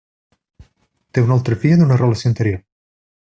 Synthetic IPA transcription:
t̪eunalˠt̪ɾəfiəðunərəlasioint̪eɾjoɾ

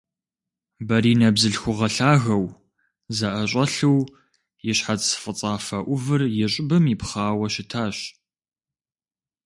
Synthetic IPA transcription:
bɐɾiːnɐbzɨɬxʷʊʁɐɬaːɣɐw | zɐʔɐɕʷʼɐɬɨw | jɪɕħat͡ssfʼɨt͡sʼaːfɐʔʷʊvɨrjɪɕʼɪbɨmipχaːwɐʃɪtʰaːɕ

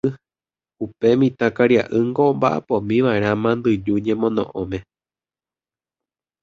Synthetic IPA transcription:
ɨ | upe̞mĩt̪akaɾja̰ʔɨŋɡombaʔa̰põmĩʋaeɾ̃ãmãnd̪ɨd͡ʒuɲẽ̞mõ̞nõ̰ʔõmẽ̞

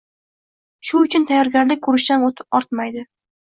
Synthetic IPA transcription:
ʃʊʊt͡ʃʰʊnt̪ʰajɒɾɡʲaɾlɪk̚ʲkʰɵɾɪʃt̪anot̪ʰɪ̥p̚ɒɾt̪majd̪ɪ

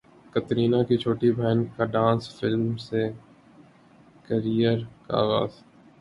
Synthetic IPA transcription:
kɐt̪ɾiːnakit͡ʃʰoːʈibʱɛːnkaɖãːnsfɪlmse | kəɾijəɾkaa̰ːɣa̰ːz

